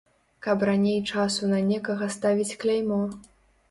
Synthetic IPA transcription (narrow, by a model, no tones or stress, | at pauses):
kɐpranʲejt͡ʂasunɐnʲɛkɐɣɐst̪avʲit͡sʲklʲajmɔ